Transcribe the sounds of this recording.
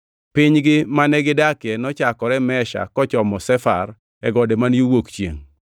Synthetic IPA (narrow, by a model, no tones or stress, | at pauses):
pɪɲɡɪmanɛɡɪdakjɛnɔt͡ʃakɔɾɛmɛʃa̰kɔt͡ʃɔmɔsɛfa̰r | ɛ̰ɡɔdemanjuwokt͡ʃjḛŋ